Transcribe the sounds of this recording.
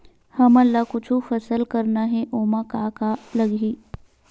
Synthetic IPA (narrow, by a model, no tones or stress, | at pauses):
hɐmɐlːakʊt͡ʃʰufɐsəlkɐɾnaɦɛʔoːmakaːkalɐɡiː